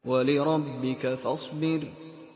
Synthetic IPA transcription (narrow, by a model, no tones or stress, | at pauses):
walɪɾˤɑbːɪkafɑsˤbɪɾ